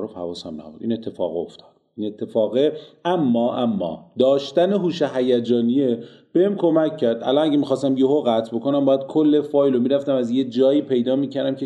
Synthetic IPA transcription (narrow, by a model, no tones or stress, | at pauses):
ɾofhæ̰vɒːshæmnæ̰bṵɾd̪ḭːne̞t̪ʰːe̞fɒ̰ːɣoft̪ʰɒ̥ːd̪̥inet̪ʰːe̞fɒːɣeʔæmːɒːʔæmːɒ̰ːd̪ɒːʃt̪æneɦuːʃeɦæjæd͡ʒɒːnije | b̥ehemkʰo̞mæcʰːæɾd̪ʔæ̰lɒːnæɟemixɒːst̪æmjehoɣæt̪ʰbo̞ko̞næmbɒːjæd̪̥̚kʰolːe̞fɒːjlomiːɾæft̪æmæzjed͡ʒɒːiːpʰe̞jd̪ɒːmiːcʰæɾd̪æmcʰe